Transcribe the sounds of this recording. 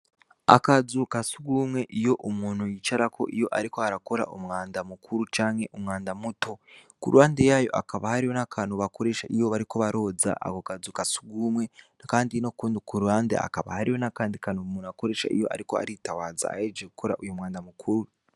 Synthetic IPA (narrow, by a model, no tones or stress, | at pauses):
a̰kad͡zukasuɡumwe̞ʔijo̞ʔomuːnujit͡ʃaɾakʰo̞̰ʔijo̞ʔaɾiko̞aɾako̞ɾa̰ʔomŋaːndamukʰuɾut͡ʃaːŋe̞ʔomŋaːndamuto̞ | kṵɾuwaːndejajo̞̰ʔa̰kaβahaɾijo̞nakʰanuβako̞ɾe̞ːʃaʔijoβaɾiko̞βaɾo̞ːd͡za̰ʔa̰kokazukasu̥ɡumwe̞ | kaːndinokuːndikuɾuaːndḛa̰kaβa̰haɾio̞nakaːndikanomuːnuako̞ɾe̞ːʃa̰ʔḭjo̞̰ʔa̰ɾiko̞a̰ɾitawaːd͡za̰aed͡ʒeku̥kʰoɾa̰ʔujomwaːndamukʰuɾu